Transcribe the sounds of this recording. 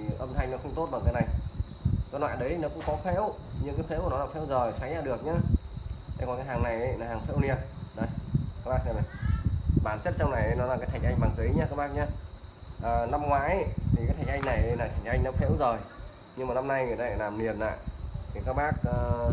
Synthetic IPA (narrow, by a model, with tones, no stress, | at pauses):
ʔə˧mt̪ʰa˧ŋnɔ˨˦xə˧ŋ͡mt̪o˦˥t̚ɓaː˨˩kaː˨˦na˨˩j | kɔ˨˧˦nlwa̰ː˧˨ɗə˨˦jnɔ˨˦wkʊ̰˧˥ŋ͡mkɔ˨˦fʰḛ˧˥w | ɲɨ˧ŋkaː˨˦fʰḛ˧˥ku˨˩nɔ˨˦a˨˧˩w̪tʰɛ̰˧˥˦wzo˨˩jsa˨˦jzaː˧˩ɗɨ˨˩ək̚ɲaː˧ | ə˧˦kɔ˨˩nkaː˨˦jɦaː˨˩ŋna˨˩jə˨˦naː˨˦haː˨˩ŋfʰḛ˧˥wni˧˩ət̚ | ɗə˨˩jkaː˦˥k̚ɓaː˦˥k̚ːa˨˩ | ɓaː˧˩nt͡ɕə˦˥t̚sa˧wna˨˩jə˨˦nɔ˨˦laː˨˧kaː˨˦t̪ʰŋ̟ʔa˧ŋ̟ɓaː˨˩ŋzə˨˦jɲaː˧kaː˦˥k̚ɓaː˦˥k̚ɲaː˧ | ʔəː˨˩na˧mŋwaː˨˦jə˧˨t̪ʰi˨˩kaː˨˦t̪ʰŋ̟a˧jŋ̟na˨˩jə˨˦jlaː˨˩t̪ʰa˨˩ŋ̟ʔa˧jŋnɔ˨˦fʰḛ˧˥wzo˨˩j | ɲɨ˧ŋmaː˨˩na˧mna˧jŋɨ̰˨t̪aː˧˩aː˧˩laː˨˩mni˨˩ənʔa̰ː˧˨jtʰi˨˩kaː˦˥k̚ɓaː˦˥k̚ː